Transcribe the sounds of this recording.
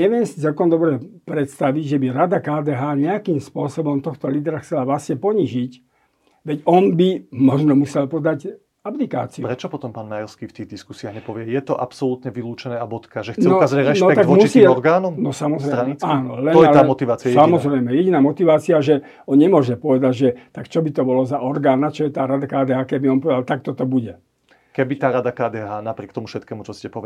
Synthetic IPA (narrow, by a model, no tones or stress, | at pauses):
ɲɛʋɪɛmsi̥t͡sɛlkɔnd̪ɔbɾɛpɾɛt̪st̪aʋiɟʒɛbiɾad̪akaːd̪ɛːɦaːɲɛakiːmspʊɔsɔbɔmt̪ɔxt̪ɔliːd̪ɛɾaxt͡sɛlaʋlasɲɛpɔɲiʒic | ʋɛɟɔnbimɔʒnɔmusɛlpɔd̪aɟ | aplika̰ːt͡siupɾɛt͡ʃɔpɔt̪ɔmpaːnmajɔɾskiːft̪iːɣd̪iskusiaɣɲɛpɔʋɪɛjɛt̪ɔʔapsɔlut̪ɲɛʋiluːt͡ʃɛnɛːabɔt̪kaʒɛxt͡s̪ɛɔazɔɾɛnɔt̪aɡɔmɔt̪iɔɔɾɡaːnɔmnɔsamɔzɾɛɾaːnɔlɛnɔjɛalaːmɔt̪iʋaːt͡siajɛsamɔzɾɛjmɛjɛɟinaːmɔt̪iʋaːt͡siaʒɛ | ɔnɲɛmʊɔʒɛpɔʋɛd̪aɟʒɛt̪akt͡ʃɔbit̪ɔbɔlɔzaɔɾɡaːnat͡ʃɔjɛt̪aːɾad̪akaːd̪ɛːɦaːkɛbiɔnpɔʋɛd̪alt̪akt̪ɔt̪ɔbuɟɛ | kɛbit̪aːɾad̪akaːd̪ɛːɦaːnapɾɪɛkt̪ɔmufʃɛt̪̚kɛːmut͡ʃɔscɛpɔʋɛ